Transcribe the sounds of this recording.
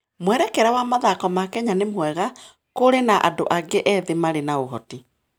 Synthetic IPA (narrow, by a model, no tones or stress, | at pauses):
mwɛɾɛkɛɾawamaðakɔmakɛɲanemwɛɣa | koɾenaʔa̰doʔaɡeʔɛðemaɾenaoɦɔ̰ti